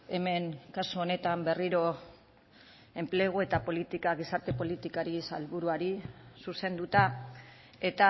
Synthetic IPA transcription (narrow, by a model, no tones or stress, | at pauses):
e̞me̞ŋkasuo̞ne̞t̪ambe̞riɾo̞ | e̞mple̞ɣ̞oe̞t̪apo̞lit̪ikaɣ̞isaɾt̪e̞po̞lit̪ikaɾisalβuɾuaɾisuse̞nd̪ut̪a | e̞t̪a